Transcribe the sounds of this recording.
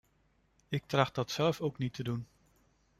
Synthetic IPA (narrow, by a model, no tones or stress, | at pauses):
ɪk̚trɑχt̚dɑtsɛlˠfowknitədun